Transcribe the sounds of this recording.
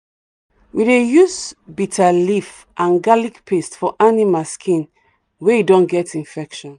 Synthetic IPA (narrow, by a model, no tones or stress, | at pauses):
widejusbitʰalif | ʔãnɡalikpʰestfɔʔanimalskʰĩn | wɛidɔ̃nɡɛtĩɱfɛkʃɔ̃n